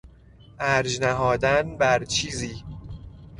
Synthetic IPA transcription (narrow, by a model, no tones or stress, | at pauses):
ʔæɾd͡ʒnæɦɒːd̪ænbæɾt͡ʃʰiːziː